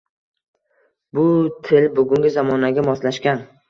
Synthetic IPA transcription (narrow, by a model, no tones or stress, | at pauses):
bʊt̪ʰɪlbʊɡʲʊŋɡʲɪzamɒnaɡʲamɒslaʃkʲan